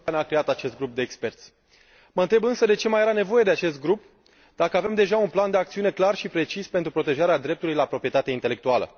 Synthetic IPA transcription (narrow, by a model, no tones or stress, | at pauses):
aneakɾe̞at̪at͡ʃe̞st̪̚ɡɾup̚d̪e̞ːkspe̞rt̪sʲ | məɨnt̪ɾebɨnsəd̪e̞t͡ʃe̞majeɾane̞vo̞je̞d̪e̞at͡ʃe̞st̪̚ɡɾup | d̪̥akəave̞md̪e̞ʒaunpland̪e̞akt̪siune̞klarʃipɾe̞t͡ʃispe̞nt̪ɾupɾo̞t̪e̞ʒaɾead̪ɾe̞p̚t̪ulujlapɾo̞pɾije̞t̪at̪eaint̪ele̞k̚t̪ualə̰